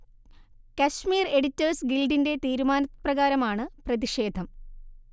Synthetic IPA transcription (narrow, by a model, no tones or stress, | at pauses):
kɐɕmiːre̞ɽitːɐrsɡilɖinde̞t̪iːɾumaːnɐprɐɣaːɾɐmaːɳɨprɐðiʂe̞ːd̪ʱɐm